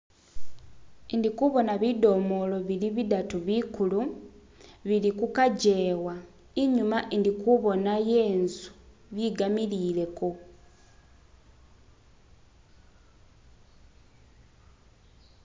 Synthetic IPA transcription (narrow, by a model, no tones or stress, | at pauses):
indikuβo̞naβido̞mo̞lo̞βiliβidatuβikulu | βilikukaɟe̞ːwa | iɲumaʔindikuβo̞naje̞ːnsu̥βiɡamilile̞ko̞